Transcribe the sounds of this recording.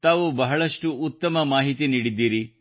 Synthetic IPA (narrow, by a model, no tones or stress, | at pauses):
t̪aːʋubɐɦɐɭɐʂʈuːt̪ːɐmɐmaːɦit̪iniːɽid̪ːiːɾi